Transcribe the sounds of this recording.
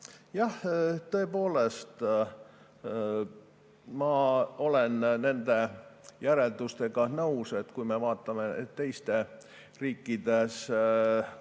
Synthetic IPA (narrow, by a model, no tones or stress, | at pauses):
jɑht̪ɤ̞epoːle̞st̪ | mɑo̞lenne̞nd̪e̞jæɾe̞ld̪̥ust̪e̞ɡ̥ɑnɤwset̪kujmevɑːt̪ˑːɑme̞tt̪ːe̞jst̪e̞ | riːkːid̪̥es